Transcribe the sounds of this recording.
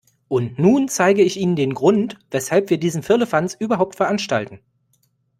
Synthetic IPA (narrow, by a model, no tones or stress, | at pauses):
ʔʊntnuːnt͡saɪɡəɪçʔiːnəndeːnɡʁʊntv̥ɛshalpv̥iːɐdiːzn̩fɪɐləfansʔyːbɐɦaʊp̚tfɛɐʔanʃta̰ltn̩